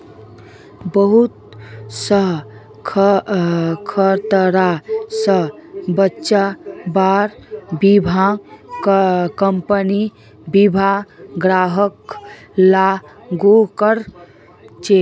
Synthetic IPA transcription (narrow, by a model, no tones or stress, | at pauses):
bəɦut̪̚səɦ | kʰ | kʰəɾt̪əɾasəɦbətːʃabaɾbibʱa | kəmpəni | bibʱaɡɾaɦək | la | ɡokəɾ | t͡ʃe